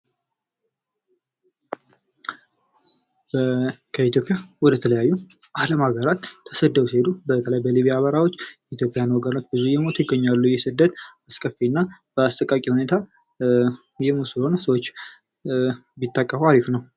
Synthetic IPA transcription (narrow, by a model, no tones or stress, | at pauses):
bkʰəit̪jo̞pʼːjawɔd̪ət̪ʰələjajːuʔaləmaɡəɾat̪ʰːəsəd̪ːəwuse̞d̪ubət̪ʰələajbəliβijaːβəɾawo̞t͡ʃːjɛit̪jo̞pʼɪjanwɔɡəɾnət̪̚bɨzujɛmo̞t̪jɪɡːəɲːalːujɛsɨd̪ːət̪askʼəfinːab̥əast̪əkʼakʼihune̞t̪ʰa | jɛmuso̞nəsəwot͡ʃː | bit̪ːakʼːəfəaɾifnəw